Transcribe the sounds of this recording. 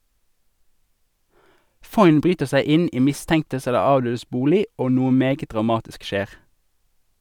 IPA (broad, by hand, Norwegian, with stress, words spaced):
ˈfɔʏn ˈbʁyːtəʁ ˈsæɪ ˈɪn ˈiː ˈmɪstɛŋtəs ˈɛlə ˈɑːʋˌdøːdəs ˈbuːlɪ ˈoː ˈnuːə ˈmeːɡə dʁɑˈmɑːtɪsk ˈʃeːʁ